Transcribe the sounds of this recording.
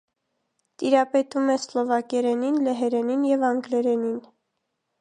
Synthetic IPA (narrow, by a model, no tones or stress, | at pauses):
t̪iɾɑpɛt̪umɛslɔvɑkɛɾɛninlɛɦɛɾɛninjɛvɑŋɡlɛɾɛnin